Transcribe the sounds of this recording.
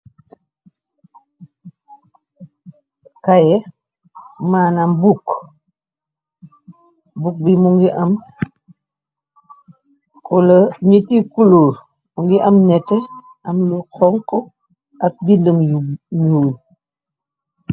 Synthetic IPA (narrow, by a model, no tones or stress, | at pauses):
kajɛ | maːnɐmbuk | buk̚bimuŋɡiʔɐm | kɔlɐɲitikuluːɾ | muŋɡiʔɐmnɛtːɛ | ɐmlukʰɔŋkɔ | ɐk̚bindəmɲuːl